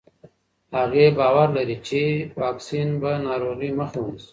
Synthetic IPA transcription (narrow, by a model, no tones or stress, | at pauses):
haɣebaːwaɾlaɾit͡ʃewaːksinbanaːɾoːɣiməxuns